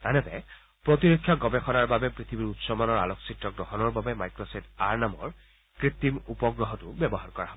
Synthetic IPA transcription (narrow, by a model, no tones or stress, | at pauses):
tanɛtɛ̰ | pɹɔt̪̬iɹokʰːjaɡɔbɛxɔnaɹbabɛpɹit̪ʰibiɹut̪sɔmanɔɹa̰lɔksitɹɔɡɹɔɦɔnɔɹbabɛmajkɹɔsɔtʰaɹnamɔ̰ɹ | kɹit̪ːimupɔɡɹɔɦɔtʊbjɛbɔɦaɹkɔɹaɦɔbɔ